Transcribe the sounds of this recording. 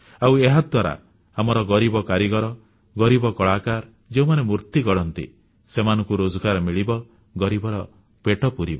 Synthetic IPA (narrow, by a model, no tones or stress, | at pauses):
aweɦad̪waɾa̰ | amɔɾɔɡɔɾibɔkaɾiɡɔɾɔ | ɡɔɾibɔkɔɭakaɾ | d͡ʒeũmanemuɾt̪iɡɔɽɔnt̪ḭ | semanɔ̃ŋkuɾod͡ʒɔkaɾɔmiɭibɔ | ɡɔɾibɔɾɔ | peʈɔpuɾibɔ